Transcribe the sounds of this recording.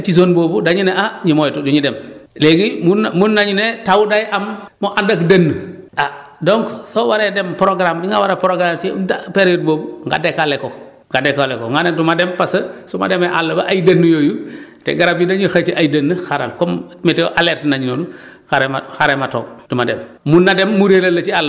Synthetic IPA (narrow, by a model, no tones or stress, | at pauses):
t͡ʃis̬onboːbudaɲuneaɲimojtuduɲidɛmleɡimunmunːaɲunetawudajʔammoʔandakdɐnːəʔa | dɔŋksowaɾedɛmpɾoɡɾamiŋɡawaɾepɾoɡɾamt͡ʃɛdapeɾjot̚boːbuŋɡa̰dekaleko | ŋɡadekalɛkoŋɡanendumadɛmpasɐsuma̰demeʔalːɐbɐʔajdɐnːujojutḛɡaɾab̚d͡ʒudaɲəxat͡ʃiʔajdɐnːəxaɾa̰lkɔmmeteʔalɛːɾtinaɲunodu | xaɾema̰xaɾemato̰ːk̚d̥umadɛm | munːademːuɾelɐlːɐt͡ʃialːə